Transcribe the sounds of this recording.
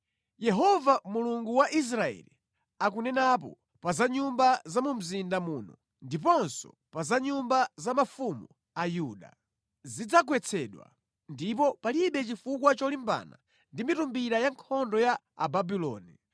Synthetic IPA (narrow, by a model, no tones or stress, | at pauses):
jɛɦɔvamuluŋɡuwaʔis̬ɾaɛ̰lḭ | akunɛnap̬ɔ̰ | pazaɲumbazamum̩zindamuːnɔ | ndip̬ɔnsɔ̰ | pazaɲumbazamafumu | ajuːɗa̰ | zid͡zak̬wɛt͡sʰɛɗwa̰ | ndipɔpaliɓɛt͡ʃifukwat͡ʃɔlimba̰ːna̰ | ndimitumbiɾajaŋkʰɔndɔja | a̰babilɔ̰ːnḭ